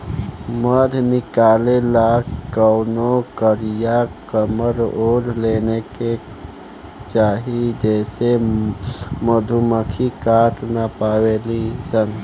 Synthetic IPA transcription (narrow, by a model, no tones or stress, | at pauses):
məd̪ʱnikalelakkəwnokəɾijakəməɾoɾleneke | t͡ʃaɦid͡ʒɛse | məd̪ʱuməkʰikaʈnapawelisən